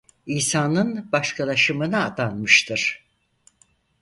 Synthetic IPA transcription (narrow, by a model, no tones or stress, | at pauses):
iːsaːnɯnbaʃkʰalˠaʃɯmɯnaːd̪anmɯʃt̪ʰɯɾ̥